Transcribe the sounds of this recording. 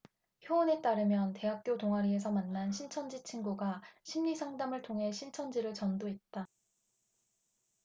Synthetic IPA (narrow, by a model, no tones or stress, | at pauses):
çjoːne̞t͈aɾɯmjʌnte̞ɦak̚k͈jotoŋɦaɾie̞s̬ʰʌmanːanɕʰint͡ɕʰʌnd͡ʑit͡ɕʰinɡuɡaɕʰimɲisʰaŋdamɯɭtʰoŋɦe̞ɕʰint͡ɕʰʌnd͡ʑiɾɯɭt͡ɕʌndoɦe̞t̚t͈a